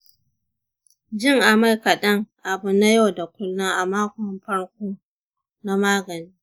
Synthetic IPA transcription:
d͡ʒɪ˦˨ŋʔa˨ma˦˨jkɐ˨ɗɐ˦ŋʔa˨bʊ˦na˦ja˦˨wda˨kʷʊ˦lːʊ˦ŋʔa˨maː˦kʷɔ˨mɸɐ˦ɽkʷoː˦ | na˦maː˦ɡɐ˨niː˦

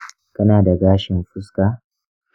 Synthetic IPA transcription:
kɐ˦naː˨da˨ɡaː˦ʃɪ˨mɸʊ˦skaː˨

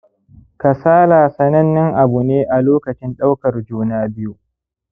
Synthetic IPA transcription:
ka˨saː˦laː˨sɐ˦nɐ˦nːɪ˦ŋʔa˨bu˨neː˦ʔa˨loː˦kɐ˨t͡ʃɪ˦nɗa˦wkɐ˨rd͡ʒuː˦naː˦bɪ˦ju˨

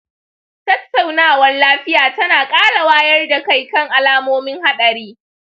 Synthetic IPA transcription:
tɐ˦tːa˨wnaː˦˨wɐ˦nlaː˦ɸɪ˦jaː˨tɐ˦naː˨kʼaː˦la˨waː˦jɐ˦rda˨ka˦˨jkɐ˦ŋʔa˨laː˦moː˦mɪ˦ŋha˦ɗɐ˨ɾiː˦

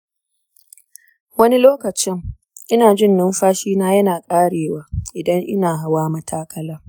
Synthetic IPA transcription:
wɐ˦ni˦loː˦kɐ˨t͡ʃɪ˦ŋ | ʔɪ˦naː˨d͡ʒɪ˦˨nːʊ˦mɸaː˦ʃiː˦naː˦jɐ˦naː˨kʼaː˦ɽeː˨waː˦ʔɪ˨dɐ˦ŋʔɪ̰˦naː˨ɦa˨waː˦mɐ˦tʰaː˦kʰɐ˦laː˦

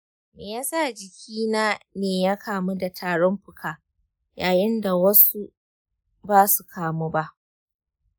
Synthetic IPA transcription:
meː˨jaː˦sa˦˨d͡ʒɪ˨kʲʰiː˦naː˦neː˨jaː˦kʰaː˨mu˦da˨tʰaː˨ɽɔ˦mɸʊ˨kʰaː˨ | jaː˨jɪ˦nda˨wɐ˦su˦ | baː˦su˨kʰaː˨mu˦ba˦ʔ

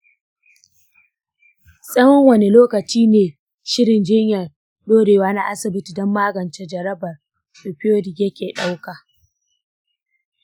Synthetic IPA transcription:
sʼɐ˦wɔ˦ŋwɐ˨ne˨loː˦kɐ˨t͡ʃiː˦neː˨ | ʃɪ˦ɽɪ˨nd͡ʒɪ˦ɲjɐ˨ | ɗoː˦ɽeː˨waː˦na˦ʔa˦sɪ˨bɪ˦ti˨dɔ˦mːaː˦ɡɐ˨nt͡ʃe˦d͡ʒɐ˨ɾɐ˦bɐ˨r | ɗo˨ɸɪ˦oː˦dɪ˨kjɐ˦kʲeː˨ɗa˦wkaː˨

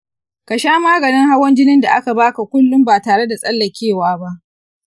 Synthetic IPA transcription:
ka˨ʃaː˦maː˦ɡɐ˨nɪ˦ŋha˦wɔ˦nd͡ʒɪ˦nɪ˦nda˨ʔa˦ka˨baː˦ka˨kʷʊ˦lːʊ˦mbaː˨taː˨ɽe˦da˨sʼɐ˦lːɐ˨kʲeː˦˨waː˦ba˦ʔ

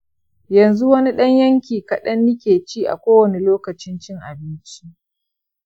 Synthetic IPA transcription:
jɐ˨nzu˦wɐ˦ni˦ɗɐ˦ɲjɐ˦ŋkʲiː˨kɐ˨ɗɐ˦nːɪ˦kʲeː˨t͡ʃiː˦ʔa̰˨kʷoː˦wɐ˨ne˨loː˦kɐ˨t͡ʃɪ˦nt͡ʃɪ˦ŋʔa̰˨bɪ˦nt͡ʃi˦ʔ

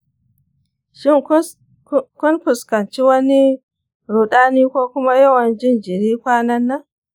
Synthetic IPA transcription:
ʃɪ˦ŋ˦ | kʊ˦nkʊ˨skɐ˨nt͡ʃi˦wɐ˦ni˦ | ɾu˨ɗaː˦niː˦kʷoː˦kʊ˦ma˦jɐ˦wɐ˨nd͡ʒɪ˦˨nd͡ʒɪ˨ɾiː˦kʷaː˦nɐ˦nːa˦

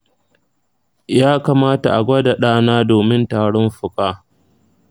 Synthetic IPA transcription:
jaː˦ka˨maː˦ta̰˨ʔa˨ɡʷɐ˦da˨ɗaː˦naː˦doː˨mɪ˦ntaː˨ɽɔ˦mɸʊ˨kʼaː˦

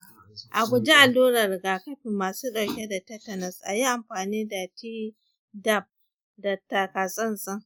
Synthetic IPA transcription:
ʔa˨ɡʷʊ˨d͡ʒi˦ʔa˨luː˦ɾɐ˨rɡaː˨kɐ˦ɸi˨mːaː˨suː˦ɗa˨wkʲe˦da˨tɐ˦tɐ˨nɐ˨sʔa˨ji˦ʔa˨mɸaː˨niː˦da˨tiː˦ | dɐ˦˨b̚ | da˨ta˨ka˨sʼɐ˦nsɐ˦ŋ

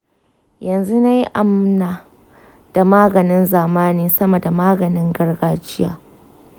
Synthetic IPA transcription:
jɐ˨nzu˦na˦ji˦ʔa˨mnaː˨ | d̥a˨maː˦ɡɐ˨nɪ˦nzaː˨maː˦niː˦sɐ˦mɐ˨da˨maː˦ɡɐ˨nɪ˦ŋɡɐ˦rɡaː˦t͡ʃɪ˦ja̰ː˨

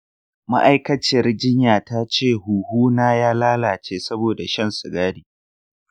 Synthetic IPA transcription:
ma̰˦ʔa˦jkɐ˦t͡ʃɪ˨rd͡ʒɪ˦ɲjaː˨ta˦t͡ʃeː˦˨ɦuː˨huː˦naː˦jaː˦laː˦laː˨t͡ʃeː˦sɐ˦boː˨da˨ʃɐ˦˨nsʊ˨ɡaː˦ɽiː˨

